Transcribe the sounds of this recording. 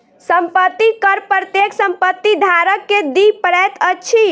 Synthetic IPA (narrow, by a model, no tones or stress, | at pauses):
səmpət̪ːikəɾpəɾət̪jeksəmpət̪ːid̪ʱaɾəkːed̪ipəɾɛt̪ʰət͡ʃʰi